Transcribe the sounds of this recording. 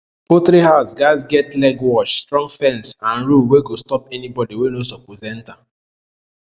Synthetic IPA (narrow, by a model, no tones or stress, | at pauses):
potɾiɦaʊsɡaɪzɡɛtlɛɡwɔt͡ʃstɾɔ̃ŋɡfɛ̃nsãnɾulweɡostɔpɛnibɔdiwenosɔpozɛ̃n̩ta